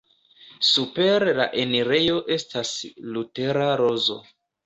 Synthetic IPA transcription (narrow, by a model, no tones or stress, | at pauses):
supe̞ɾla̰ʔeniɾe̞jo̞ʔe̞stʰaslute̞ɾaɾo̞zo̞̰